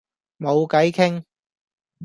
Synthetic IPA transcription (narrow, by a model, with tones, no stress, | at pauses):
mo˨˧wkɐ˨˥jkʰɪ˥ŋ